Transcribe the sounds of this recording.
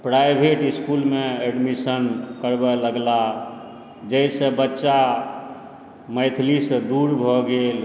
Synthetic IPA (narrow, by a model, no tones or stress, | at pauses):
pɾajbʱeʈiskulmeeɖmisənkəɾbɛləɡla | d͡ʒəjsə̃bətːʃa | məjt̪ʰlisə̃d̪uɾbʱɔɡel